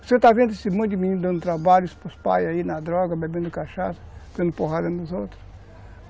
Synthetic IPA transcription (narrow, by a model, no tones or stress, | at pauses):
set̪avẽnd̪esimũj̃t̪imĩnĩnd̪ɐ̃nd̪ʊt̪ɾabaʎspuspa̰jɐinɐd̪ɾɔɡɐbebẽnd̪ukaʃasɐ̥d̪ɐ̃nd̪ʊpoɦad̪ɐnuzowt̪ɾʊs